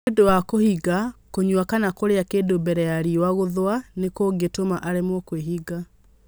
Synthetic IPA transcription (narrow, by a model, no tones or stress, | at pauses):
dowakohiɡakoɲuakanakoɾeakeːdobɛɾɛjaɾiwaɣoðwanekoːɡetomaʔaɾemwɔkweɦiɡa